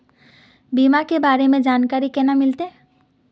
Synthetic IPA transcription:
bimakebaːɾemẽd͡ʒaːnkaːɾikɛnamɪlt̪e

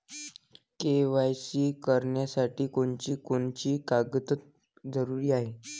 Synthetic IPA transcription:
keʋajt͡ɕiːkəɾɳjasaʈiːkoɳt͡ɕiːkoɳt͡ɕiːkaɡət̪ət̪ | d͡zəɾuɾiːaɦe

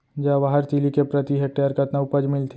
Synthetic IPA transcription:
d͡ʒaʋaɦəɾt̪ilikepɾət̪iɦek̚ʈeəɾkɐt̪naʊpəd͡ʒmɪlt̪ʰ

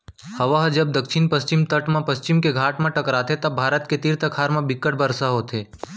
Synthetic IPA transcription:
hɐʋaɦd͡ʒɐb̚d̪əkʃʰɪnpəst͡ʃɪmt̪əʈmãpəst͡ʃɪmkeɡʱaːʈmãʈəkɾaːt̪ʰet̪ɐbʱaːɾət̪ket̪iɾt̪əkʰaːɾmãbɪkːəʈbəɾsaɦoːt̪ʰeː

